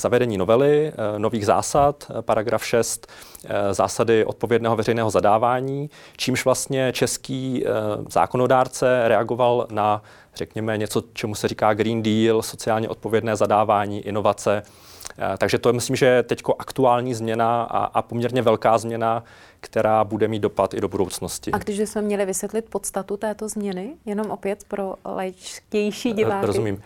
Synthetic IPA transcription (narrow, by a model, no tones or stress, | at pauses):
z̥avɛdɛɲiːno̞vɛlɪnoviːɣza̰ːsat̪paɾaɡɾafʃɛst̪za̰ːsadɪʔo̞t̪̚povjɛdnɛːɦo̞vɛɾɛjnɛːɦozadaːvaːɲiːt͡ʃiːmʃvlast̪ɲɛt͡ʃɛskiːz̥a̰ːkono̞daːɾt͡sɛɾɛaɡo̞valna | r̥ɛkɲɛmɛɲɛt͡so̞t͡ʃɛmusɛriːkaːɡɾiːndiːlso̞t͡sɪaːlɲɛʔo̞t̪̚povjɛdnɛːzadaːvaːɲiːʔɪno̞vat͡sɛ | t̪aɡʒɛt̪omɪslimʒɛt̪ɛcko̞ʔakt̪uaːlɲiːzmɲɛna̰ʔa̰po̞mɲɛɾɲɛvɛlkaːzmɲɛna | kt̪ɛɾaːbudɛmiːd̪dopat̪ɪdobudo̞wt͡sno̞scɪaɡdɪʒbɪsmɛmɲɛlɪvɪsjɛt̪lɪt̪̚pot̪st̪at̪ut̪ɛːt̪ozmɲɛnɪjɛno̞mʔopjɛt̪pɾolajt͡ʃcɛjʃiːɟɪaːɾozumiːm